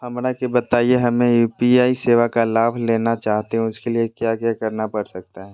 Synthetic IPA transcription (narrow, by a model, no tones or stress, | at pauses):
hɐmɾakebɐt̪aːieɦɐmẽjuːpiaːiseːʋakalaːbʱleːnat͡ʃaːɦt̪eɦɛ̃ʊskeliekjaːkjaːkɐɾnapɐɾsɐk̚t̪aɦɛː